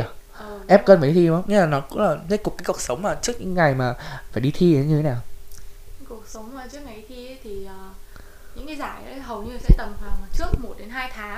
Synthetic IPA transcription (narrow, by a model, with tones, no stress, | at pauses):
ʔəː˨ʔɛ˦˥p̚kə˧nmaː˨˩˨t̪ʰi˧˨˧mɲɨ˨˧˦laː˨˩nɔ˨˦kʊ̰˧˥ŋ͡mlaː˨˩ze˦˥t̚kʊ˨˩k͡p̚kːaː˨˦ku˨˩ək̚sə˨˦wŋ͡mmaː˨˩t͡ɕɨ˦˥ək̚ɲɨ̰˧kːŋa˨˩jmaː˨˩faː˧˩jɗi˧t̪ʰi˧˦ɲɨ˧t̪ʰe˨˦naː˨˩w | ku˨˩ək̚sə˨˦wŋ͡mmaː˨˩t͡ɕɨ˦˥ək̚ŋa˨˩˨t̪ʰi˧ə˨˦jt̪ʰi˨˩ʔəː˨˩ | ɲɨ̰˧˥ŋka˨˦jzaː˧˩jʔə˨˦jɦə˨˩wɲɨ˧˨sɛ̰˧˥t̪ə˨˩mvaː˨˩˨t͡ɕɨ˦˥ək̚mo˨˩t̚ɗe˨˦nɦaː˧jt̪ʰaː˨˦